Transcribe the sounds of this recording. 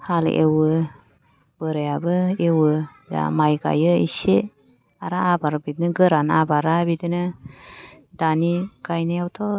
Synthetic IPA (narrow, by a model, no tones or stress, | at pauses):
hal̰ʔḛwɯ | b̥ɯɾejabɯewɯja̰majɡa̰jɯḭse | aɾaabaɾabidnɯɡɯɾanabaɾabidɯnɯ | daniɡajnajawtʰɔ